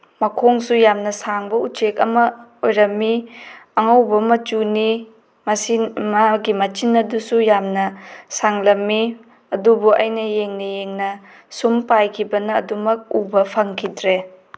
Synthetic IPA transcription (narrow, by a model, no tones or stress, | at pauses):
mɐkʰoŋsujamnɐsaŋbɐut͡ʃekɐ̰mɐojɾɐmːiɐŋawbɐmɐt͡ʃuni | mɐsimaɡimɐt͡ʃinːɐdusujamnɐsaŋlɐmːi | ɐdubuʔɐ̰jnɐjeŋnɐjeŋnɐ | sumpajkʰibɐnɐ̰ːdumɐk̚ubɐpʰɐŋkʰidɾe